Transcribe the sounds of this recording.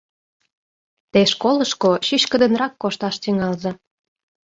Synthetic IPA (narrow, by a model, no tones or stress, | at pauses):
t̪eʃkoləʃkoɕiɕkə̆d̪ə̆nrɑkːoʃt̪ɑʃt̪iŋɑlzɤ̆